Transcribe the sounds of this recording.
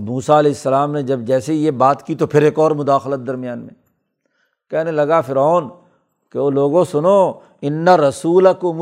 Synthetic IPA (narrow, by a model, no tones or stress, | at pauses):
muːsaɐleːɪsːɐlaːmned͡ʒɐbd͡ʒɛːsejebaːt̪kit̪opʰɪɾeːkɔːɾmʊd̪aːxlət̪̚d̪ɐɾmijaːnmḛ̃ | kɛːɦnelɐɡafɪɾɔːn | keoːloːɡõsʊnoː | ɪnːaɾɐsuːlɐkʊm